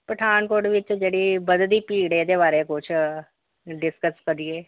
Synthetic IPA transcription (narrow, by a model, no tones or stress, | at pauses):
pɐʈʰaːnkoʈʋɪt͡ʃd͡ʒəɽibəd̪d̪ipiːɽed̪eβaːɾekʊt͡ʃʰ | ɖɪskəskɐɾieː